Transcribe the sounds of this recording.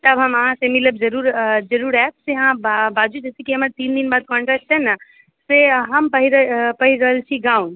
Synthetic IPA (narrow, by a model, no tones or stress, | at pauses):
t̪əbʱɦəməɦãsemɪləb̚d͡ʒəɾuːɾd͡ʒɐɾuːɾɛt̪seɦãbaːd͡ʒud͡ʒɛsekiɦəməɾt̪iːnd̪inbaːd̪̚kɔ̃ɳʈɾɛk̚t͡ʃʰɛna | seɦəmpəɦiɾəpɐɦiɾɐɦəlt͡ʃʰiɡaũn